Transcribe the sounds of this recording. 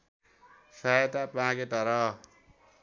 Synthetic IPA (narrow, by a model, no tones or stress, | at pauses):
saet̪apãket̪ʌɾʌ